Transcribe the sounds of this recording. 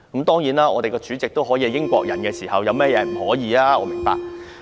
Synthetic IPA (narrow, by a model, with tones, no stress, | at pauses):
kɐ˨˥mt̪ɔː˥ŋjiː˨˥naː˥ɔː˨˧t̪e˨jkɔː˧t͡ʃyː˨˥t͡sɪ˨k̚t̪o˥wɦɔː˨˥jiː˧jɪ˥ŋkʷɔː˧k̚jʔɐ˨˩nkɛ˧siː˨˩hɐ˨wjɐ˨˧wmɛː˥jɛː˨˧˩m̩˨˩hɔː˨˥jiː˨˧aː˥ɔː˨˧mɪ˨˩ŋpa̰ː˨˧k̚